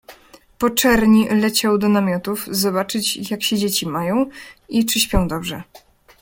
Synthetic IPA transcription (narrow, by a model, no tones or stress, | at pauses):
pɔt͡ʂɛɾɲilɛt͡ɕawd̪ɔnamʲjɔt̪ufzɔbat͡ʂɘt͡ɕjakɕɛd͡ʑet͡ɕimajɔ̃w̃it͡ʂɘɕpʲjɔ̃w̃d̪ɔbʐɛ